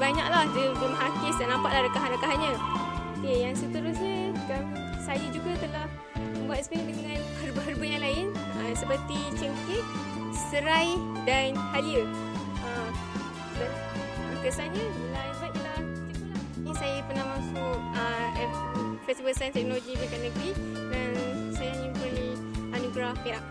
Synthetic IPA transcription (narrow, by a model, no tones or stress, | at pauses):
baɲak̚lahdəɡəmɦakɪsdanãmpaʔlahɾəkaɦanɾəkaɦaɲə̃okejaŋsət̪əɾʊsɲəɡa | sajəd͡ʒuɡət̪əlah | əmbuat̪̚spendəəŋanhərbəɦərbəjalaɪn | əsəpərt̪it͡ʃəŋkit̪̚ | səɾaj | danhaliə | əm | da | ukəsaɲət̪əlabat̪̚t̪əlah | t͡ʃakəla | nisajəpənãmasuʔ̚əɛfɛst̪ifəlsajnst̪ɛk̚noloɡibəekanəɡɾi | dansajanũkəli | ʔanuɡɾajaʔ